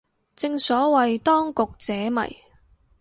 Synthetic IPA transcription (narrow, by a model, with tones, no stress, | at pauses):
t͡sɪ˧ŋsɔː˨˥wɐ˨jt̪ɔː˥ŋkʊ˨k̚t͡sɛː˨˥mɐ̰˨˩j